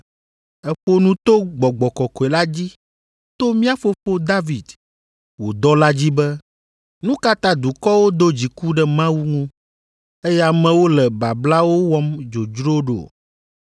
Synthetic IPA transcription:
ɛ˦ɸo˦nũ˦t̪o˦ɡ͡bɔ˨ɡ͡bɔ˨kɔ˨kɔ˨ɛ˨la˦d͡ʑi˦ | t̪o˦mĩ˦a˦fo˦fo˦d̪a˦vi˨d̪ | wo˨d̪ɔ˦la˦d͡ʑi˦bɛ˦ | nũ˦ka˦t̪ã˦d̪u˨kɔ˦wo˦d̪o˦d͡ʑi˨ku˦ɖɛ˦mã˦wu˦ŋũ˦ | e˦jɛ˦a˨mɛ̃˦wo˦lɛ˨ba˨bla˦wo˦wɔ˦md͡ʒo˨d͡ʒɾo˦ɖo̰˨

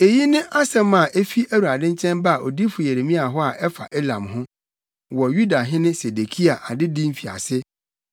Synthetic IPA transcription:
e˨ji˦nɪ̃˦ʔa˦sɛ̃˦mã˨ʔe˦fi˦ʔæ˦wu˨ɾa˨dɪ̃˦ɲ̩˦t͡ɕʰɛ̃˦nba˦a˨ʔo˨di˦fʊ˨jɛ˨ɾe˨mĩ˦a˨ɦɔ˦a˨ʔɛ˦fa˨ʔe˦lã̰˨mɦʊ̃˦ | wɔ˨ju˦da˨ɦɪ̃˦nɪ̃˦se˨de˨kʰi˦a˨ʔa˨dɪ˦dĩ˦m̩˦fi˨a̰˨sɪ˦

